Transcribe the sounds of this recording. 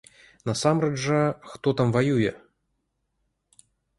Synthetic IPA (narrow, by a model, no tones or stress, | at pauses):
nɐsamɾɐdʐɐxt̪ɔt̪amvajujɛ